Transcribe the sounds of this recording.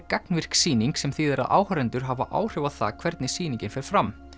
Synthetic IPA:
kaknvɪr̥ksiːniŋksɛmθiðɛɾa̰ðʔa̰ːwhœɾɛnt̪ʏɾ̥ɦava̰ʔa̰ːwr̥ɪvaðθa̰kʰv̥ɛɾt̪nɪsiːnĩɲcɪnfɛɾ̥fɾam

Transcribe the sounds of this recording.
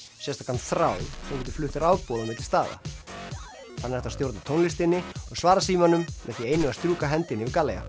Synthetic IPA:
sjɛst̪ḁkʰant̪θɾaːwθɔwkɛt̪ɪ̥flʏht̪ɪɾawpɔːðanmɪt̪lɪst̪aːða̰ | θanːɛɾɛht̪ast̪jowɾt̪at̪ʰownlɪst̪ɪnːɪɔɣsvaːɾasiːmanːʏmːɛθieːjnʏmast̪ɾuːkaɦɛnt̪ɪnːɪvɪðkaːleja̰

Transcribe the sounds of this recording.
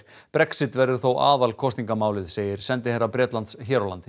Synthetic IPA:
pɾɛksɪt̪vɛɾðʏθowʔa̰ːðalkʰɔst̪niŋkamaːwlɪðseːjɪɾ̥sɛnt̪ɪheːɾːapɾjɛːt̪lant̪sçɛːɾolant̪ɪ

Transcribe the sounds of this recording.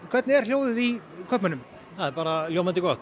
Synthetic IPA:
kʰvɛt̪nɛɾ̥l̥joːwðɪðikʰœpmanʏm | haðbaːɾaljowmant̪ɪɡɔt̪

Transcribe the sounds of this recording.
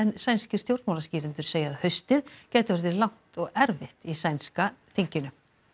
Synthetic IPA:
ɛnsajnscɪɾ̥st̪jowɾt̪mawlasciːɾɪnt̪ʏɾ̥seːjaːðhœɥst̪ɪðcɛːjt̪ʏvɛɾðɪlawŋ̥t̪ɔɣɛɾvɪht̪isajnskaθiɲcɪnʏ

